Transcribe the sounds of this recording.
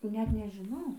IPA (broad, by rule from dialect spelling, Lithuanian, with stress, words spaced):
ˈnʲɛt nʲɛʒʲɪˈnɐʊ